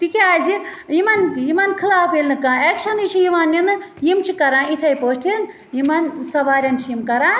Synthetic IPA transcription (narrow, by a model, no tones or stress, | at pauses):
t̪ikiaːzi | jimɐnjimɐnkʰilaːpelnɨkãːekʃʰɐnit͡ʃʰijiʋanːinɨjimt͡ʃʰikɐɾãːit̪ʰɐjpoːsʈʰin | jimɐnsɐʋaːɾʲɐnt͡ʃʰiimkɐɾãː